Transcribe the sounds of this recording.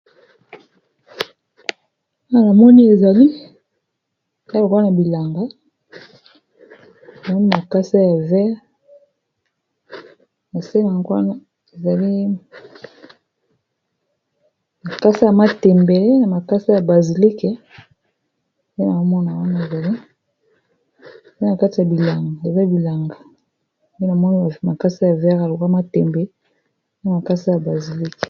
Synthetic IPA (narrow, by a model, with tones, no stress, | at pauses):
wa˦na˨na˨mɔ˦ni˦e˨za˨li˦ | da˦bo˨ka˦na˨bi˨la˨ŋɡa˦˨ | a˨mɔ˦ni˦ma˨ka˦sa˦ja˨vɛ˦ʁ | na˨se˦na˨ɡa˦na˦ | e˨za˨li˦ | ma˨ka˦si˦ja˨ma˦tɛ˨mbe˨le˦na˨ma˨ka˦si˦ja˨ba˨zi˨li˦kɛ˦ | je˦na˨mo˦mɔ˦na˨wa˦na˦e˨za˨li˦˨ | e˦na˨ka˦ti˨a˨bi˨la˨ŋɡa˨e˨za˦bi˨la˨ŋɡa˨ | be˦na˨mɔ˦ni˦a˨ma˨ka˦si˦ja˨vɛ˦ʁa˨lo˨ka˦ma˦tɛ˨mbɛ˨˦ | na˨ma˨ka˦si˦ja˨ba˨zi˨li˦k